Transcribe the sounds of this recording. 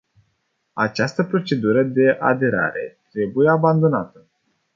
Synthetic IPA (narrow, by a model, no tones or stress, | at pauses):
at͡ʃast̪əpɾo̞t͡ʃe̞d̪uɾəd̪e̞ʔa̰d̪e̞ɾa̰ɾe̞̰t̪ɾe̞buje̞aband̪o̞nat̪ə